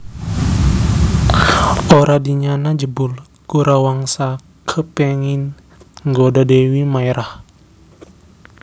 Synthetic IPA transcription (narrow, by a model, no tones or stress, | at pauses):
ʔoɾadiɲanad͡ʒəbʊl | kuɾʔawaŋsa | kʰəpɛŋin | ŋɡodadewimajɾʔah